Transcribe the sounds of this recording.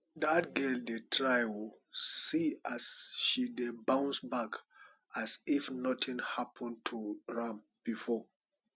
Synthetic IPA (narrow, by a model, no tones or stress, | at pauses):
dat̚ɡɛldetʰɹajɔl | siasʃidebãʊ̃nsbak | asifnɔtʰĩnhapʰɔ̃ntʰuɹãm | b̥ifɔ